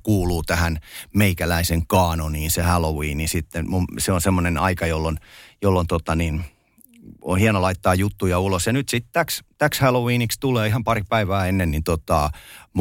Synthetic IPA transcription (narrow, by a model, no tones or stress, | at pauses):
kuːluːt̪æhænmeikælæiseŋkɑːnoniːnsehælowiːnisit̪ːenmumseonsemːonenɑikɑjolːonjolːont̪ot̪ɑnin | ohienolɑit̪ːɑːjut̪ːujɑulosjɑnyt̪sit̪t̪ækst̪ækshælowiːnikst̪uleːihɑmpɑripæiʋæːenːennint̪ot̪ɑˑm